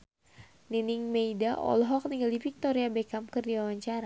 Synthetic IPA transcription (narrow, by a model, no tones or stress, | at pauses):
niniŋmeidaʔɔ̰lɦɔk̚niŋɡaldifik̚t̪ɔɾiabɛkamkɨrdiwawaɲt͡ʃaɾa